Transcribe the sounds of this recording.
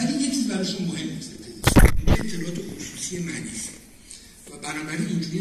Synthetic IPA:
ælinjet͡ʃʰizbæɾɒʃunmohemused̪eisniet̪ʰːelɒʔɒːt̪ʰe̞xosusie̞mæd̪iːse | væbænɒːbæɾinind͡ʒuɾi

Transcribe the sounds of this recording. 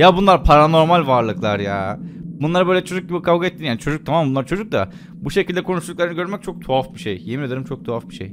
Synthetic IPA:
jabunlˠaɾpʰaɾano̞ɾmalʲvaɾlˠɯklˠaɾja̰ːbunlˠaɾabøjlʲɛt͡ʃʰo̞d͡ʒuk̚ɟibikʰavɡaet̪ːinjaːnit͡ʃʰo̞d͡ʒuk̚t̪ʰamammbunlˠaɾt͡ʃʰo̞d͡ʒuk̚d̪a̰ | buʃecʰilʲd̪ɛkʰo̞nuʃlˠuklˠaɾinɯɟø̞ɾmɛc̚t͡ʃʰo̞k̚t̪ʰoafbiʃejjemijad̪ɯɾɯmt͡ʃʰok̚t̪ʰoafbiʃej

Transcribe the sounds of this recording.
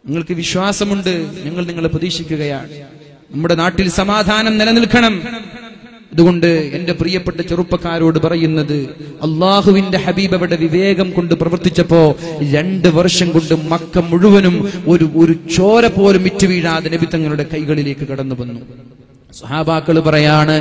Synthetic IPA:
niŋːɐɭkɨʋiɕwaːsɐmuɳɖɨɲɐŋːɐɭniŋːɐɭprɐðiːɕikʲːuɣɐjaːɳ | nɐmːuɽe̞naːʈːilsɐmaːd̪ʱaːnɐmnilɐnilkʰɐɳɐm | ɐðuɣo̞ɳɖɨende̞prijɐpːeʈːɐt͡ɕerupːɐkːaːɾo̞ːɽɨpɐrɐjunːɐðɨɐlˠːaːɦuʋinde̞ħɐbiːbɐʋiɽe̞ʋiʋe̞ːɡɐmko̞ɳɖɨprɐʋɐrt̪it͡ɕːɐpːo̞ːɾe̞ɳɖɨʋɐrʂɐmko̞ɳɖɨmɐkːɐmːuɻuʋɐnumo̞ɾuoɾut͡ɕo̞ːɾɐpːo̞ːlumːitːuʋiːɻaːðɐnebit̪ːɐŋːɐluɽe̞kɐjɣɐɭile̞ːkːɨkɐɽɐnːuʋɐnːu | sɐhaːbaːkːɐɭpɐrɐjaːɳɨ

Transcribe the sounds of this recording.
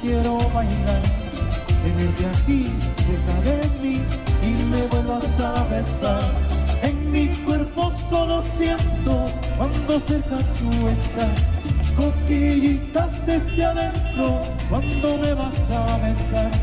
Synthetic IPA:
kjeɾomaɦilaɾ | beβeɾt̪eak̪ikesaðemiimeβoβast̪aβesaɾeŋmikweɾposolosjɛnt̪o | kwand̪osekat̪ueskaɾkoɾkeʝit̪ast̪est̪jaðent̪ɾo | kwand̪omeβast̪aβesaɾ

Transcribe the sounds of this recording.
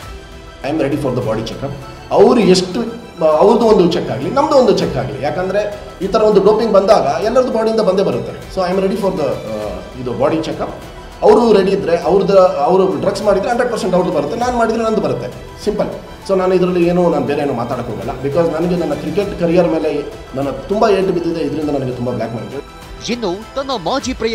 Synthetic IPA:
ɐjmɾeɽifʰɐːɾd̪ɐba̰ːɽit͡ʃɛkɐp̚ | ɐʋɾueʂʈu | ɐʋɾd̪uond̪ut͡ʃɛkːaːɡiinɐmːɐd̪uond̪ut͡ʃɛkːa̰ːɡiḭjaːkɐnd̪ɐɾe̞ | iːt̪ʰɐɾɐʋond̪uɖoːpiŋɡbɐnd̪aːɡɐɛlːɐɾɐd̪ubaːɽiind̪ɐbɐnd̪ebɐɾut̪ːesoːɐjmɾeɽifɔɾd̪ɐ | id̪ubaːɽit͡ʃɛkɐp̚ | ɐʋɾuɾeɽiːd̪ɾe̞ʔɐʋɾd̪ɐɐʋɾuɖɾɐɡsmaːɽid̪ɾeɦɐɳɖɾeɖ̚pɐɾseɳʈɐʋɾd̪ubɐɾut̪ːenaːnumaːɽid̪ɾenɐnd̪ubɐɾut̪ːe̞ | simpɐl | so̞ːnaːnuid̪ɾɐlːieːnuːnaːnubeːɾeeːnuːmaːt̪aːɽɐkɦoːɡɐ̰lːɐ̰bikɔːznɐnɐɡe̞nɐnːɐkɾikːe̞ʈkɐɾijɐɾɐme̞ːle̞ | nɐnːɐt̪umbaeːʈibid̪id̪eid̪ɐɾind̪ɐnɐnɐɡet̪umbablaːkma̰ːɽit̪ːu | d͡ʒinːut̪ɐnːɐmaːd͡ʒipɾɐ

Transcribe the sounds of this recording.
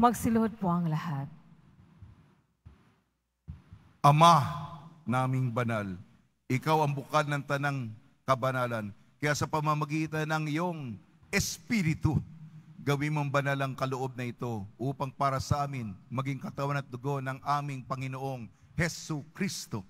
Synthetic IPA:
mɐɡsɪlʊod̪̚poʔɐŋlɐhat̪̚ | ʔɐma | naːmɪŋbɐnal | ʔɪkawɐŋbʊkalnɐŋt̪ɐnaŋ | kɐbɐnaːlɐn | kɐjasɐpɐmɐmɐɡiːt̪ɐnɐŋɪjoŋ | ɛspiɾɪt̪ʊɡɐwinmoŋbɐnalɐŋkɐloʔo̞b̚nɐɪt̪o̞ʔuːpɐŋpaːɾɐsɐʔaːmɪnmɐɡiŋkɐt̪ɐwanɐt̪̚d̪ʊɡo̞nɐŋʔaːmɪŋpɐŋɪnoʔo̞ŋ | hɛsukɾist̪o̞

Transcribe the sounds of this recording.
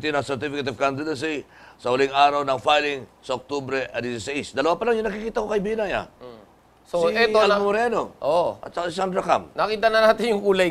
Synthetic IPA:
t̪inɐŋsɛɹt̪ifɪkat̪ɪvkand̪ɪd̪ɐns̬i | sɐhʊliŋaːɾɐwnɐŋfajlɪŋsɐʔok̚t̪obɾɛʔɐd̪isisɐisd̪ɐlɐwapɐlaŋjʊŋnɐkikiːt̪ɐkokɐjbinaja̰ | sosiɛt̪oɐlmoɾɛno̞ʔoʔɐ̰t̪̚sɐkasɪsand̪ɾɐkamnɐkiːt̪ɐnɐnaːt̪ɪnjʊŋkuːlɐ

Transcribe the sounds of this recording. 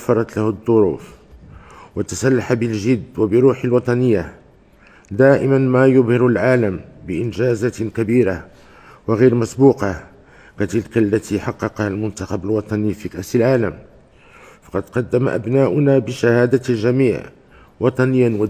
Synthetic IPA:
fːɑɾˤɑt̪lahd̪ˤːoɾṵːf | wat̪asælːaħabəlʒɪd̪ːwabəɾuːħalwɑt̪ˤɑnəjːa̰ | d̪aːʔɪmanmajʊbhɪɾʊlʕaːləmbəʔɪnʒæzakæbiːɾa | wɪɣiːɾmæsbuːqɑ | kat̪ɪlkalːæt̪iħɑqːɑqɑhalmʊnt̪ɑxɑbəlwɑt̪ˤɑnifikæʔsəlʕaːləm | fɑ̥qɑd̪qɑd̪ːama̰ʔa̰bnaːʔʊnabəʃahaːd̪alʒæmiːʕ | wɑt̪ˤɑnəjːanw

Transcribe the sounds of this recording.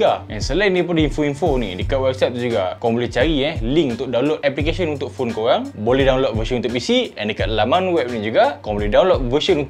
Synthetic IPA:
aʔɛ̰nsəlajnẽp̬ondəinfoinfonḭdəkat̪̚wɛp̚sɛt̪̚d͡ʒuɡakaaŋbolɛht͡ʃaɾiɛliŋkunt̪ʊk̚dawnlok̚ɛplikesənunt̪ʊk̚fonkoɾaŋbolɛhdaw̃nlɔk̚vəsə̃nunt̪ʊʔ̚bisiɛ̰ndəkat̪̚lamãnwɛp̚nid͡ʒuɡakaaŋ̃bolɛhdawnlɔk̚vəsənunt̪

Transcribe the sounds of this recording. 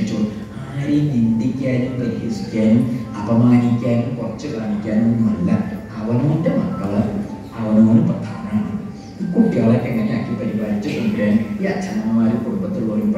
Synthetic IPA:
it͡ɕːoːɭ | aːrinind̪ikʲːaːnumpɐɾiɣɐsi̥kʲːaːnumɐbɐmaːnikʲːaːnumkurɐt͡ɕːɨkaːɳikʲːaːnonːumɐlːɐ̰ | ɐʋɐnɐʋindemɐkːɐɭ | ɐʋɐnɐoːnumprɐd̪ʰʱaːnɐmaːɳɨ | iːkuʈːiaːɭokːeŋːɐneaːkːipɐɾibaːɭit͡ɕːɨsɐnɡɾaːnumiɐt͡ɕʰːɐnɐmɐmaːɾumkuɽumbɐt̪ːilpoːjump

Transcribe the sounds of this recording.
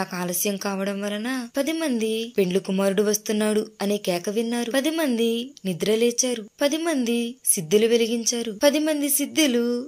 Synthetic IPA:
akaːlɐsjɐmkaːʋɐɽɐmʋɐlɐnaːpɐd̪imɐnd̪ipe̞ɳlukumaːɾuɽuʋɐst̪unːaːɽuɐniːkɛːkɐʋinːaːɾupɐd̪imɐnd̪inid̪ɾɐleːt͡ʃaːɾupɐd̪imɐnd̪isid̪ːuluʋe̞liɡiɲt͡ʃaːɾupɐd̪imɐnd̪isid̪ːulu

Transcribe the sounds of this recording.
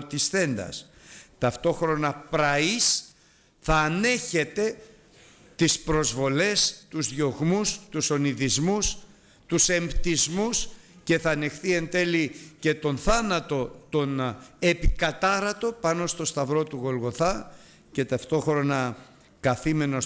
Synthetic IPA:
t̪isθe̞nd̪ɐ̰s | t̪ɐft̪o̞xɾo̞nɐpɾɐis | θɐːne̞çe̞t̪e̞ | t̪ispɾo̞zvo̞le̞st̪uzðʝo̞ɣmust̪uso̞niðizmus | t̪use̞mbt̪izmusce̞θɐːne̞xθie̞nd̪e̞lice̞t̪o̞nθɐnɐt̪o̞t̪o̞ne̞pikɐt̪ɐɾɐt̪o̞pɐno̞st̪o̞st̪ɐvɾo̞t̪uɣo̞lɣo̞θɐ | ce̞t̪ɐft̪o̞xɾo̞nɐ | kɐθime̞no

